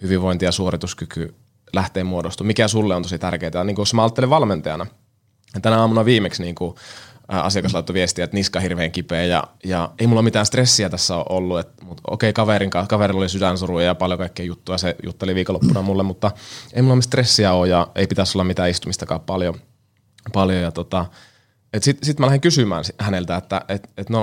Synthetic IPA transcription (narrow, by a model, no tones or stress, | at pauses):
hyʋiʋʋoint̪ijɑsuorit̪uskyky | læht̪eːmmuodost̪umikæsulːeont̪osit̪ærkeːt̪æniːŋkujosmɑːɑlt̪ːeliʋɑlment̪ɑjɑ̰nɑ | t̪ænæɑːmunɑʋiːmeksniːŋku | ɑ̰siɑkɑslɑˑit̪ːoʋiest̪iæet̪niskɑhirʋeːŋkipeːjɑ̰jɑeimulːɑmit̪æːnst̪resːiæt̪æsːæo̰ʔolːuet̪mut̪o̰ˑkeikɑʋeɾiŋkɑkɑʋeɾilolisydænsurujɑjɑpɑljokɑikːeijut̪ːujɑsejṵt̪ːeliʋiːkolopːunɑmulːemmut̪ːɑeimulːɑmst̪resːiæoːjjɑeipit̪æsolːɑmit̪æːist̪umist̪ɑkɑ̰ːppɑljo | pɑljojɑt̪ot̪ɑ | et̪sit̪sit̪mælæhiŋkysymæ̰ːnihænelt̪æet̪ːæ̰ʔet̪et̪no